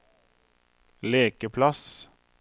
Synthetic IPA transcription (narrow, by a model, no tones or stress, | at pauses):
leːkəpʰlɑs